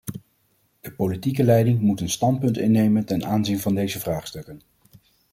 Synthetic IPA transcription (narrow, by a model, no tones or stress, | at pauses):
d̥əpowlitikəlɛjdɪŋmutənstɑntpɵntɪ̰nːejməntɛnʔaːnzinvɑndejzəvraːχstɵkən